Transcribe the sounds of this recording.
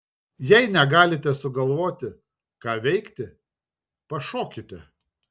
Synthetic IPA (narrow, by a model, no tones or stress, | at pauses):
jɛɪnʲɛɡɑːlʲɪt̪ʲɛsʊɡɐlˠʋoːt̪ʲɪ | kɑːʋʲɛɪkt̪ʲɪ | pɐʃoːkʲɪt̪ʲɛ